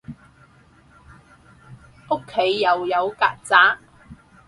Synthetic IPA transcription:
o˥kʰːe˨˥jːɐ˨wjɐ˨˧wkaː˧t̚t͡saː˨˥

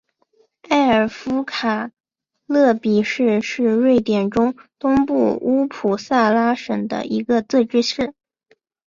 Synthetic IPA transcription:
a˥˩ɪə˞˨˩fu˥kʰa˨˩ | lɤ˥˩pi˨˩ʂɻ̩˥˧ʂɻ̩˥˧ɻwe˥˩ɪt̪jɛ˨˩nʈ͡ʂʊ˥ŋt̪ʊ˥ŋpu˥˩u˥pʰu˨˩sa˥˩la˥ʂə̰˨˩ŋd̪ə̰˦ʔi˧˥ɡə˧t͡sɤ˥˧ʈ͡ʂɻ̩˥ʂɻ̩˥˩

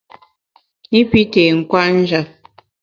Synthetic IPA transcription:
ni˦pi˦tɛ˨ŋ̩˨kwa˦n̩˦d͡ʒa˦p̚

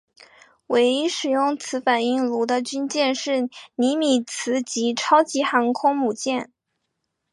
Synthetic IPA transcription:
we˧˥ɪi˥ʂɻ̩˨˩jʊ˥˩ŋt͡sʰɹ̩˧˥fa˨˩ni˥˩ŋlu˧˥d̪ə˧t͡ɕy˥nt͡ɕjɛ˥˧nʂɻ̩˥˩ni˧˥mi˨˩t͡sʰɹ̩˧˥t͡ɕi˧˥ʈ͡ʂʰɑ˥ʊt͡ɕi˧˥xɑ˧˥ŋkʰʊ˥ŋmu˨˩t͡ɕjɛ˥˩n

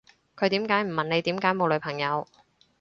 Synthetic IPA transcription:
kʰɵ˨˧ɥt̪iː˨˥mkaː˨˥jm̩˨˩mɐ˨ne˨˧jt̪iː˨˥mkaː˨˥jmo˨˧wlɵ˨˧ɥpʰɐ˨˩ŋjɐ˨˧w

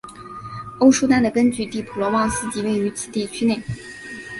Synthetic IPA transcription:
o˥ʊʂu˥t̪a˥nd̪ə˨˩kə˥nt͡ɕy˥˧t̪i˥˩pʰu˨˩lwɔ˧˥wɑ˥˧ŋsɹ̩˥˧t͡ɕi˧˥we˥˩ɪy˧˥t͡sʰi˨˩t̪i˥˩t͡ɕʰy˥ne˥˩ɪ

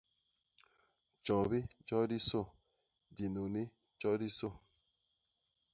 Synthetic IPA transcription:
t͡ʃɔ˨bi˦d͡ʒɔ˦di˦so˦˨ | di˨nu˨ni˦ | d͡ʒɔ˦di˦so˦˨

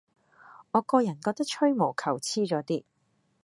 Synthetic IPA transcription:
ŋɔː˨˧kɔː˧jɐ˨˩nkɔː˧k̚t̪ɐ˥k̚t͡ʃʰɵ˥ɥmo˨˩kʰɐ˨˩wt͡sʰiː˥t͡ʃɔː˨˥t̪iː˥

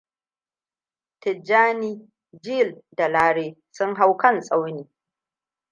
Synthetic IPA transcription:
tɪ˨d͡ʒːaː˦niː˦ | d͡ʒi˦lda˨laː˦ɽeː˦sʊ˦ŋɦa˦wkɐ˦˨nsʼa˦wniː˨˦

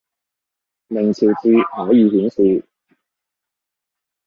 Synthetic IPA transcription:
me˨˩ŋt͡sʰi˨˩wt͡si˧hɔː˨˥jiː˨˩hy˨˥nsiː˨˩

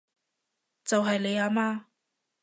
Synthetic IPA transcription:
t͡sɐ˨wɦɐ˨jle˨˧jaː˨˧maː˧

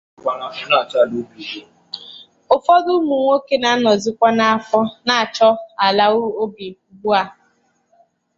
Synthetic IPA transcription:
a˨a˨˦na˨ta˦˨du˦bi˨ɾi˦ | ʊ˨fɔ˦dʊ˦mu˨ŋʷo˦ke˦na˨˦nɔ˨zɪ˦kʷa˦na˨a˦fɔ˦na˨a˨t͡ʃɔ˦a˨la˦o˦bi˨bu˦a˦

